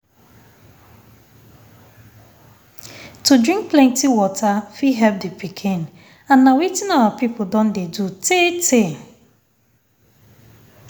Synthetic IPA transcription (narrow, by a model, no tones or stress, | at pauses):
tudɹĩŋk̚plɛ̃ntiwɔtʰafiɦɛlp̚dipikʰĩn | ãnːawitɪnɔwapipʊdɔ̃ndedutʰetʰe